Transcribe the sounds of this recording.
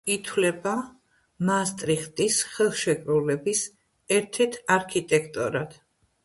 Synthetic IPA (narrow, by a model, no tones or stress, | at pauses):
it̪ʰwlɛba | mast̪ʼɾiχt̪ʼisχɛlˠʃɛkʼɾulɛbis | ɛɾt̪ʰɛɾt̪ʰaɾkʰit̪ʼɛkʰt̪ʼɔɾad̪̥